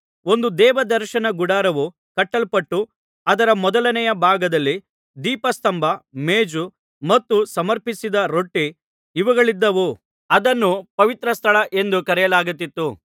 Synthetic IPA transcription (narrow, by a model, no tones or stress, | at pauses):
o̞nd̪ud̪ɛːʋɐd̪ɐɾʃɐnɐɡuɽaːɾɐʋu | kɐʈːɐlpɐʈːu | ɐd̪ɐɾɐmɔd̪ɐlɐnɛjɐbʱaːɡɐd̪ɐlːi | d̪iːpɐst̪ɐmbʱɐmeːd͡ʒu | mɐt̪ːusɐmɐɾpisid̪ɐɾo̞ʈːiː | ʋɐɡɐɭid̪ːɐʋu | ɐd̪ɐnːupɐʋit̪ɾɐst̪ʰɐɭɐʔe̞nd̪ukɐɾɛjɐlaːɡut̪̬ːit̪ːu